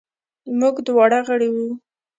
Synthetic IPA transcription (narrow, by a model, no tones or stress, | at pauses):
muɡd̪wɑɽaɣəɽiwu